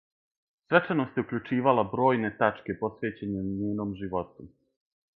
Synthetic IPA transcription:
sʋet͡ʂanost̪jeukʎʲut͡ʂiːʋalabɾo̞ːjne̞t̪at͡ʂke̞po̞sʋe̞ːt͡ɕe̞ɲeɲeːnomʒiʋo̞t̪u

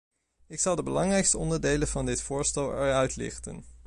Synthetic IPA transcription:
ɪksɑlˠdəbəlɑŋrɛjkstəɔndəɹdejlənv̥ɑndɪtfʊːɹstɛlˠɛɹœɥtlɪ̰χtə̰n

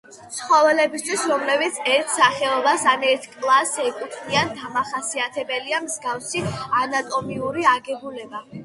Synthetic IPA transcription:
t̪sʰχɔvɛlɛbist̪ʰwisɾɔmlɛbit̪sʰɛɾt̪ʰsaχɛɔbasanɛɾt̪ʰkʼlˠasɛkʼut̪ʰniand̪amaχasiat̪ʰɛbɛliamzɡafsianat̪ʼɔmiuɾiaɡɛbulɛba

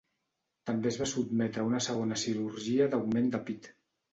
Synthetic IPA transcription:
t̪əmbezβasubmɛt̪ɾəunəsəɣ̞onəsiɾuɾʒiəðawmend̪əpit̪

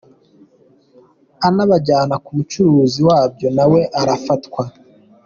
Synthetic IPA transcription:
anaβaɟaːnakumut͡ʃuɾuːziwaːbjo̞nawe̞ʔaɾafatkwa

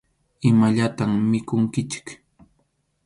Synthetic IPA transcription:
ɪmaʎat̪ammɪkʊŋkɪt͡ʃɪ̥k

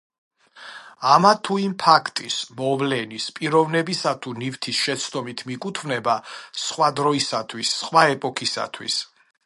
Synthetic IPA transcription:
amat̪ʰuimpʰakʰt̪ʼismɔvlɛnispʼiɾɔvnɛbisat̪ʰunivt̪ʰisʃɛt̪sʰd̪ɔmit̪ʰmikʼut̪ʰvnɛbasχwad̪ɾɔisat̪ʰwisːχwaɛpʼɔkʰisa̰t̪ʰwḭs

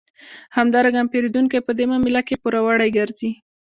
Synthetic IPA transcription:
hamd̪ɑɾaɡampeɾed̪uŋkajpəd̪emɑmilakepuɾawaɽajɡaɾzi

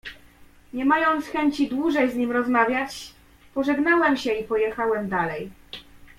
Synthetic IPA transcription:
ɲɛmajɔnt̪sxɛɲt͡ɕid̪wuʐɛjzɲimɾɔzmavʲjat͡ɕ | pɔʐɛɡnawɛmɕɛipɔjɛxawɛmd̪alɛj

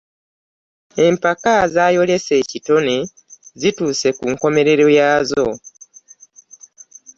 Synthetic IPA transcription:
e̞mpakazaːjo̞le̞se̞ːcito̞ne | zituːse̞kuŋko̞me̞ɾe̞ɾo̞jaːzo̞

